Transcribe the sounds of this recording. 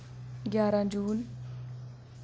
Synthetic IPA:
ɡʲjaːɾad͡ʒuːn

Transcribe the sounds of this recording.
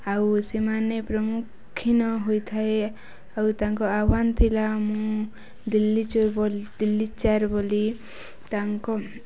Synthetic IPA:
awsemanepɾɔmukʰːinɔɦojt̪ʰae | awt̪aŋkɔabant̪ʰilamũ | d̪ilːit͡ʃbɔld̪ilːit͡ʃaɾboli | t̪aŋkɔ

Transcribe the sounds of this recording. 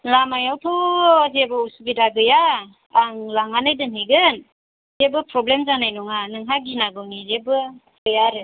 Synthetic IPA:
lamajawtʰɔzebɯusuɡidaɡɯjaː | ŋlaŋanajdɯnɦeɡɯn | zebɯpɾɔblemzanajnɔŋanɯŋɦaɡinaɡɔnizebɯ | ɡɯjaɾɯ

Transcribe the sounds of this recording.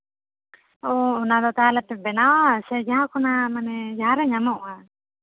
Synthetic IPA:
ɔunad̪ɔt̪alap̪ɛbɛnawasɛd͡ʒaɦakunamanɛd͡ʒaaɾaɲamɔʔa

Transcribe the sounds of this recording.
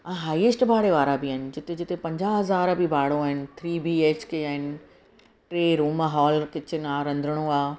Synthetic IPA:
ãːɦaːiɪsʈbʱaːɽeʋaːɾabɪaːɦɪnɪ̆d͡ʑɪt̪ed͡ʑɪt̪ʰepɐ̃ɲd͡ʑaɦɐzaːɾbibʱaːɽoaːɦɪnɪ̆t̪ʰɾiːbiːeːt͡ɕkeaːɦɪnɪ̆ | ʈɾeːɾuːmɦɔːlkɪt͡ɕʰɪnɪaːɾɐ̃nd̪ʱəɽ̃oaː

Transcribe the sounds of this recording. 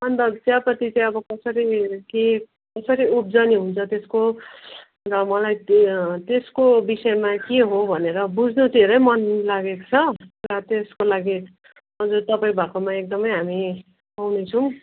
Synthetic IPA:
ʌnt̪ʌbt͡sjapʌt̪it͡saj̃ʌbʌkʌsʌɾike | kʌsʌɾiup̚d͡zʌniɦunt͡sʰʌt̪esko | rʌmʌlajt̪eskobisʌjmakeɦobʱʌneɾʌbud͡zʱnut̪eɾʌjmʌnlaɡekt͡sʰʌrʌt̪eskolaɡi | ʌd͡zurt̪ʌpaĩbʱakomaek̚d̪ʌmʌjɦami | awnet͡sʰʌw̃

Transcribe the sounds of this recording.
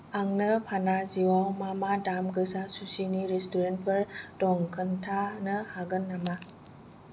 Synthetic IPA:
aŋnɯpʰanaziwawmamadamɡɯsasusiniɾestɔɾent̚pʰɯɾdɔŋkʰɯntʰanɯhaɡɯnːama

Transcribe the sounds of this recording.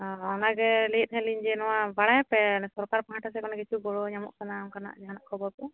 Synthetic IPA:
ɔɔnaɡɛlɛjit̪̚ˀɦɛ̃liɲd͡ʒɛnɔwabaɽajapɛsɔɾkaɾpaɦãʈasɛkɔnaɡɛt͡ʃuɡɔɽɔɲamɔ̰ʔkanamkana̰ʔd͡ʒaɦanaʔkʰɔbɔɾkɔ

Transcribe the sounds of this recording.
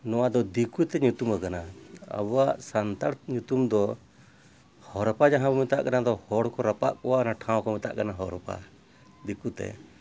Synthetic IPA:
nɔwad̪ɔd̪ikut̪ɛɲut̪umakanaa̰bɔwaʔsant̪aɾɲut̪umd̪ɔ | hɔɾpad͡ʒaɦãbɔmit̪a̰ʔkanad̪ɔhɔɽkɔɾapa̰ʔkɔwanaʈʰãw̃kɔmit̪a̰ʔkanaɦɔɾɔpa̰ | d̪ikut̪ɛ̰

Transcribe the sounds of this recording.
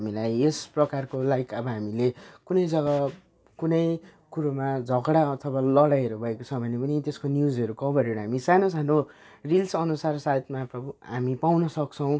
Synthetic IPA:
ɦamilajesprʌkarkolaɡikʌbʌɦamilekunʌjd͡zʌɡʌ | kunʌjkuɾomad͡zʱʌɡɽaʌt̪ʰʌwalʌɽajʌɾubʱʌekot͡sʰʌbʱʌnepʌnit̪eskonjud͡zʌɾukʌbʌɾeɾuɦamisanos̬ano | rilsʌnusarsajt̪maprʌbuɦamipawnʌsʌk̚t͡sʰʌw̃

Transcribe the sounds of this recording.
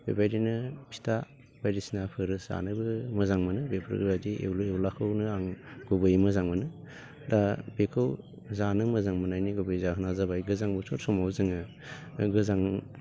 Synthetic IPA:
b̥ḛbajdinɯpʰi̥ta | b̥ajɾisinapʰɯɾɯza̰nɯbɯmɯzaŋmɯnɯbepʰɾ̰ɡɾadiʔḛwlewlakʰɯwnɯaŋɡ̥ubɯjmɯzaŋmɯnɯ | dabekʰɯw | zanɯmɯzaŋmɯnajniɡubɯjzaɦɯnazabajɡɯzaŋbusʰɔtsɔmawzɯŋɯ | ɡɯzaŋ

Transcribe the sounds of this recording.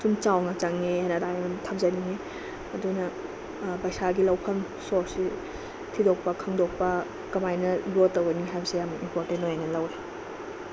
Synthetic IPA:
sumt͡ʃawŋat͡ʃaŋehajnɐdajmnɐmtʰɐp̚zaniŋe | ɐdunɐ | bajsaɡilɐwpʰɐm | soɾsi | tʰidok̚pɐkʰɐŋdok̚pɐ | kɐmajnɐlotːɐwɡɐniɦajbɐsijamɐimpoɾtentːojajnɐlɐwɾe

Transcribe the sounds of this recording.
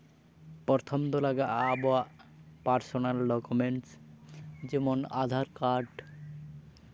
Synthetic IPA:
pɔɾt̪ʰomd̪olaɡaʔaboapaɾsonalɖɔkumeɳʈs | d͡ʑɛmona̰d̪ʱaɾkaɾɖ

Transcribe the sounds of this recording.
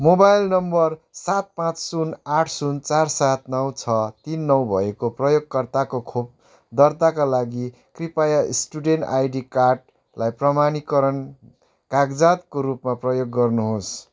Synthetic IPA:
mobajlnʌmbʌrsat̪̚pãt͡ssunaʈʰsunt͡sarsat̪nʌwt͡sʰʌt̪inːʌwbʱʌekoprʌjoɡ̚kʌrt̪akokʰop̚ | d̪ʌrt̪akalaɡi | kripajaisʈuɖenʈajɖikarʈ̚ | lajprʌmanikʌɾʌn | kaɡd͡zat̪koɾupmaprʌjoɡːʌrnuɦos

